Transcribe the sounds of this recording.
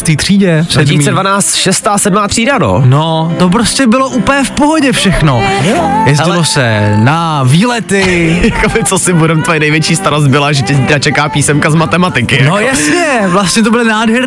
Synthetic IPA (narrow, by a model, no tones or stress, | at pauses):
t̪iːt̪r̥iːɟɛɛciːsɛdvanaːt͡st͡s̪ʃɛst̪aːsɛdmaːt̪r̝̥iːdano̰ːnot̪op̬ɾostcɛbɪloʔuːplɲɛfpoɦoɟɛfʃɛxnojɛzɪlosɛ̰naviːlɛt̪ɪjakobɪt͡sosɪbudɛmt̪vojɛnɛjvjɛt͡ʃiːst̪aɾost̪̚bɪlaʒɛcɛzit̪ɛɾat͡ʃɛkaːpiːsɛmkazmat̪ɛmat̪ɪkɪnojasɲɛvlast̪ɲɛt̪obɪlɪnaːdɦɛɾ